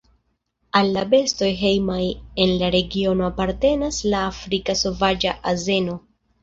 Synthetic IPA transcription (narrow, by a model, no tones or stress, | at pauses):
alːabe̞sto̞jɦe̞jmaje̞nlaɾe̞ɡio̞no̞apaɾte̞naslaːfɾikaso̞vad͡ʒaʔaze̞no̞